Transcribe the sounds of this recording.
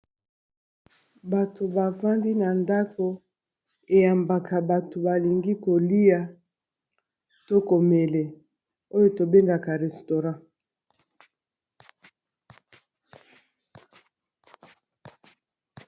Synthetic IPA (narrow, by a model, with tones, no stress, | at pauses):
ba˨to˨ba˨va˦ndi˦na˨nda˦ko˦ | e˨ja˨mba˨ka˨ba˨to˨ba˨li˨ŋɡi˦ko˨li˦ja˨ | to˦ko˨me˨le˨ | o˦jo˨to˨be˦ŋɡa˨ka˨ʁɛ˨sto˨ʁã˦˨